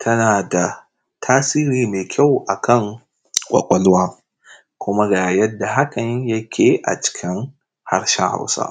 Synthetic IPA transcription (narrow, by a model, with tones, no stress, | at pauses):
tʰɐ˦naː˨da˨ | tʰaː˦siː˦ɾiː˦meː˨kʲʰa˦˨wʔa˨kʰɐ˦˨ŋ | kʷʼɐ̰˨kʷʼɐ˦lwaː˦ | kʷʊ˦ma˦ɡa˨jɐ˦dːa˨ɦa˦kɐ˨ɲjɐ˦kʲʰeː˨ʔa̰˨t͡ʃɪ̥˨˦kʲɪ˦ŋ | ha̰˦rʃɛ˦ŋha̰˦wsa̰ː˦